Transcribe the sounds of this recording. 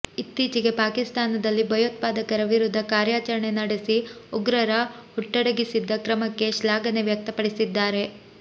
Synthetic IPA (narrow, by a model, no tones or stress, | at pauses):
it̪ːiːt͡ʃiɡe̞paːkist̪aːnɐd̪ɐlːibʱɐjoːt̪̚paːd̪ɐkɐɾɐʋiɾud̪ʱːɐkaːɾjaːt͡ʃɐɾɐɳe̞nɐɽisiuɡɾɐɾɐhuʈːɐɽɐɡisid̪ːɐkɾɐmɐkːe̞ʃlaːɡɐne̞ʋjɐk̚t̪ɐpɐɽisid̪ːaːɾe̞